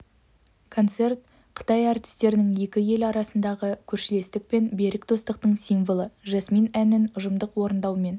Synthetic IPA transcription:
kʰo̞nt̪se̞rt̪̚ | qʰə̥t̪ɑjɑrt̪ʲi̥st̪e̞ɾɪnɪŋje̞kʲɪje̞lɑɾɑsənd̪ɑʁəkʲʰɵɾʃɪle̞st̪ɪk̚pe̞nbe̞ɾɪkd̪o̞st̪əqt̪əɴsijɱvolˠəʒɑsminænɪnʊʒəmd̪əqwo̞ɾənd̪ɑwme̞n

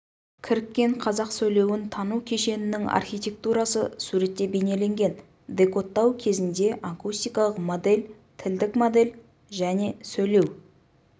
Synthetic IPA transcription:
kʲʰɪɾɪkʲːe̞ɴqʰɑzɑqsɵjle̞wɪnt̪ʰɑnukʲʰe̞ʃe̞nɪnɪŋɑ̰rxʲijt̪ʲe̞k̚t̪uɾɑsə̰suɾe̞t̪ːe̞bene̞le̞ŋɡʲe̞n | d̪e̞ko̞t̪ːɑwkʲʰe̞zɪnd̪e̞ʔakust̪ijkɑlˠəqmod̪e̞lʲ | t̪ʰɪld̪ɪkmod̪e̞lʲ | ʒæne̞sɵjle̞w

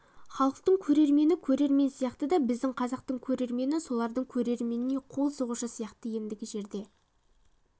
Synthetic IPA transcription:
χɑlˠəq̚t̪əɴkʲʰɵɾe̞ɾme̞nɪkʲʰɵɾe̞ɾme̞nsijɑqt̪əd̪ɑbɪzd̪ɪɴqʰɑzɑq̚t̪əɴkʲʰɵɾe̞ɾme̞nɪso̞lˠɑɾd̪əɴkʲʰɵɾe̞ɾme̞nɪne̞qʰo̞lˠsəʁuʃəsijɑqt̪əje̞nd̪ɪɡʲɪʒe̞ɾd̪e̞

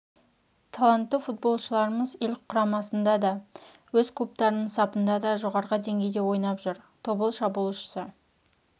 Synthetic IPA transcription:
t̪ʰɑlˠant̪ːəfut̪̚bo̞lˠʃəlˠɑɾəməze̞lqʰʊɾɑmɑsənd̪ɑd̪ɑ | wɵzkʰlˠup̚t̪ɑɾənəɴsɑpənd̪ɑd̪ɑʒoʁɑɾʁəd̪e̞ŋɡʲe̞jd̪e̞wo̞jnɑpʒʊɾt̪ʰo̞bəlˠʃɑbulˠʃə̥sə

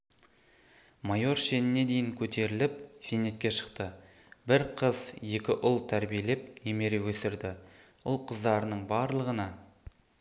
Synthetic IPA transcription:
majo̞ɾʃe̞nɪne̞d̪e̞jɪŋkʲʰɵt̪ʰe̞ɾɪlɪp̚sene̞t̪kʲe̞ʃə̥qt̪ə | bɪɾqʰəzje̞kʲɪʔʊlˠt̪ʰæɾbijele̞p̚neme̞ɾewɵsɪɾd̪ɪ | ʊlˠqʰəzd̪ɑɾənəɴbɑɾlˠəʁənɑ

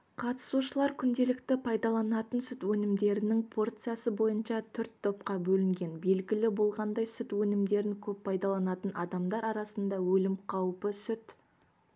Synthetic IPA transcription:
qʰɑt̪ə̥suʃəlˠɑɾkʲʰʏnd̪e̞lɪkt̪ɪpʰɑjd̪ɑlˠɑnɑt̪ənsʏt̪wɵnɪmd̪e̞ɾɪnɪŋpʰo̞rt̪sɨjasəbo̞jənʃɑt̪ʰʏɾt̪ʰːo̞p̚qɑbɵlɪŋɡʲe̞nbe̞lɡʲɪlɪbo̞lˠʁɑnd̪ɑjsʏt̪wɵnɪmd̪e̞ɾɪŋkʲʰɵppʰːɑjd̪ɑlˠɑnɑt̪ənʔɑd̪ɑmd̪ɑɾɑɾɑsənd̪ɑwɵlɪmqʰɑwpəsʏt̪

